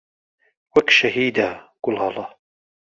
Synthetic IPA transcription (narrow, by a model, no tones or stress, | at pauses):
wakʃahiːd̪aɡ̥ʊlhɑlɑ